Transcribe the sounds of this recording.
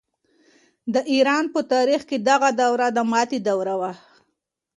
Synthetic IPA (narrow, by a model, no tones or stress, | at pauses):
d̪əʔiɾɑnpət̪ɑɾixked̪aɣad̪awɾad̪əmɑt̪id̪awɾawa